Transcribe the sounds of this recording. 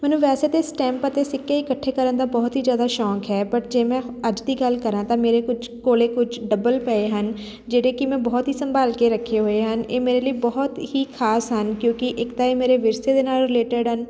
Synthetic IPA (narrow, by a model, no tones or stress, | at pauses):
mɛːnũːʋɛːseːt̪eːsʈɛ̃ːmpət̪eːsɪkːeːɪkəʈʰːeːkəɾənd̪aːbɔːt̪ɦiːzjaːd̪aːʃɔːkɦɛːbəʈd͡ʒeːmɛ̃ːəd͡ʒd̪iːɡəlkəɾãːt̪ãːmeːɾeːkʊt͡ʃʰkoːleːkʊt͡ʃʰɖəbəlpɛeːɦən | d͡ʒeːɽeːkɪmɛ̃ːbɔːt̪ɦiːsəmbaːlkeːɾəkʰːeːɦoːeɦəneːmeːɾeːləiːbɔɦt̪hiːkʰaːsɦənkjõːkɪʔɪkt̪aːeːmeːɾeʋɪɾseːd̪eːnaːlɾɪleːʈəɖɦən